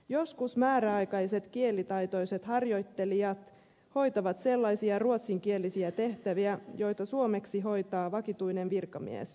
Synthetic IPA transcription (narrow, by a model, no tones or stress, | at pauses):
jo̞skusmæːɾæɑjkɑjse̞t̪kie̞lit̪ɑjt̪o̞jse̞t̪hɑrjo̞jt̪ːe̞liɑt̪ | ho̞jt̪ɑʋɑt̪se̞lːɑjsiɑruot̪siŋk̟ie̞lisiæt̪e̞ht̪æʋiæjo̞jt̪ɑsuome̞ksiɦo̞jt̪ɑːʋɑkit̪ujnenʋirkɑmḭḛs